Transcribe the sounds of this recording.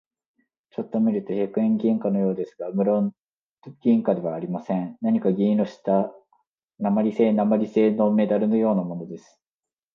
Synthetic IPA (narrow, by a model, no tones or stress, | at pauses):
t͡ɕo̞t̪ːo̞mʲiɾɯ̟t̪o̞çakɯ̟ẽŋɡʲĩŋkano̞jo̞ːd̪e̞sɨ̥ɡamɯ̟ɾon | ɡ̥ʲĩŋkad̪e̞βaːɾʲimasẽ̞nnaɲ̟ikaɡʲĩɾo̞ɕi̥t̪a | namaɾʲise̞ːnamaɾʲise̞ːno̞me̞d̪aɾɯ̟no̞jo̞ːnamo̞no̞d̪e̞sɨ̥